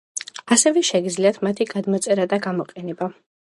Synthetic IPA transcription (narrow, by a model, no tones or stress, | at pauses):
asɛvɛʃɛɡid̪zliat̪ʰmat̪ʰiɡad̪mɔt̪sʼɛɾad̪aɡamɔqʼɛnɛba